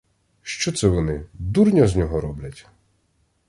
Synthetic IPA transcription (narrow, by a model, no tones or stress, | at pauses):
ʃt͡ʃɔt̪sɛʋɔnɪd̪urnʲɔzʲnʲɔɦɔɾɔblʲɐtʲ